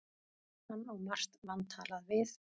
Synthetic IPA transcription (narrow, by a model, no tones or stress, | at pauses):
anːawmar̥t̪vanːt̪ʰa̰ːlaðvɪθ